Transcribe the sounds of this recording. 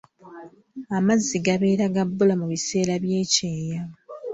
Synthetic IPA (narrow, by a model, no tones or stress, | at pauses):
amazːiɡaβe̞ːɾaɡabːulamuβise̞ːɾaβje̞ːce̞ːja